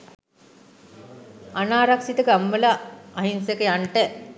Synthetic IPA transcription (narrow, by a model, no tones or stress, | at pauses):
anaːɾaksit̪əɡamːəlaːɦinsekəjaɳʈə